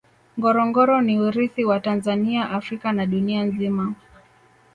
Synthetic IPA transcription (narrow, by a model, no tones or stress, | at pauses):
ŋɡɔɾɔŋɡɔɾɔniuɾiθiwatanzaniaʔafɾikanaɗunianzima